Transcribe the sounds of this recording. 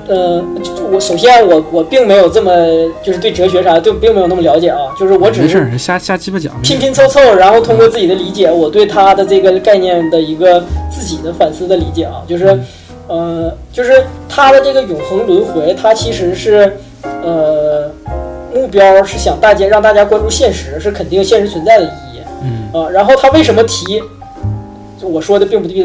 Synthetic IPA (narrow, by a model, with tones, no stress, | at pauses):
ə˧wɔ˧˥ʂo˨˩ʊɕ̬jɛ˥nwɔ˨˩wɔ˨˩pi˥˩ŋme˧˥ɪjo˨˩ʊʈ͡ʂɤ˥˩mə˨˩t͡ɕjo˥˧ʂɻ̩˥t̪we˥˩ʈ͡ʂɤ˧˥˩ɕ̬ɥɛ˧˥ʂa˧˥t̪we˥˩˨pi˥˩ŋm˧˥jnɤ˥˩ljɑ˧˥t͡ɕjɛ˨˩ɐ˦t͡ɕjo˥˧ʊʂɻ̩˥˩wɔ˧˥ʈ͡ʂɻ̩˨˧˩ʂɻ̩˥˩˥ɕa˥ɕja˥˩t͡ɕi˥pə˥˩t͡ɕjɑ̰˨˩˦pʰi˥ŋpʰi˥ŋt͡sʰo˥ʊt͡sʰo˥˩ʊɻa˧˥nxo˥˩ʊt̪ʰʊ˥ŋkwɔ˥˧t͡sɹ̩˥˩i˨˩d̪ə˦li˧˥t͡ɕjɛ˨˩˦wɔ˨˩t̪we˥˩ɪt̪ʰa˥d̪ə˨ʈ͡ʂɤ˥˩ɡə˩ka˥˧ɪnjɛ˥˩nd̪ə˩i˧˥ɡə˧t͡sɹ̩˥˩t͡ɕi˨˩d̪ə˦fa˨˩nsɹ̩˥d̪ə˨li˧˥t͡ɕjɛ̰˨˩ɐ̰˧˦t͡ɕjo˥˧ʊʂɻ̩˥˧ | ə˧˩t͡ɕjo˥˧ʊʂɻ̩˥˧t̪ʰa˥d̪ə˨ʈ͡ʂɤ˥˩ɡə˩jʊ˨˩ŋxɤ˧˥ŋlwə˧˥nxwe˧˥ɪt̪ʰa˥t͡ɕʰi˧˥ʂɻ̩˧˥ʂɻ̩˥˩ | ə˧ | mu˥˩pjɑ˥ʊʂɻ̩˥˩ɕjɑ˨˩ŋt̪a˥˩t͡ɕja˥ɻɑ˥˧ŋt̪a˥˩t͡ɕja˥kwa˥nʈ͡ʂu˥˧ɕjɛ˥˩nʂɻ̩˧˥ʂɻ̩˥˩kʰə˨˩nt̪i˥˩ŋ˧ɕjɛ˥˩nʂɻ̩˧˥t͡sʰə˧˥nt͡sa˥˩ɪd̪ə˩i˧˨˩jɛ̰˨˩ə˧ɻa˧˥nxo˥˩ʊt̪ʰa˥we˥˩ɪʂə˧˥nmə˧t̪ʰi˧˥ | wɔ˨˩ʂwɔ˥d̪ə˧pi˥˧ŋpu˥˩˥i˥